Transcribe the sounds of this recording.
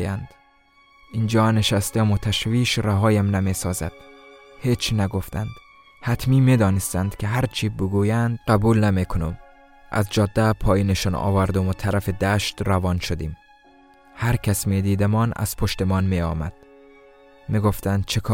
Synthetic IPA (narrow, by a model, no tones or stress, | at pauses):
jænd̪̥ | iːnd͡ʒɒːneʃæst̪emot̪ʰæʃviːʃɾæɦɒːjæmnæmesɒːzæ̰d̪̥ | heːt͡ʃʰnæɡoft̪ænd̪̥ | hæt̪ʰmiːmed̪ɒːnest̪ænd̪̥kʰeɦæɾt͡ʃʰiːbeɡuːjænd̪̥ɢæbuːlnæmekʰonom | ʔæ̰zd͡ʒɒːd̪ːæpʰɒːjiːneʃɔnɒ̰ːvæɾd̪omot̪ʰæɾæfed̪æːʃt̪ɾævɒːnʃod̪ḭːm | hæɾkʰæsmeːd̪iːd̪æmɒːnæ̰z̥pʰoʃt̪emɒːnmeɒ̰ːmæ̰d̪̥ | miɡoft̪ænd̪̥̚t͡ʃʰekʰː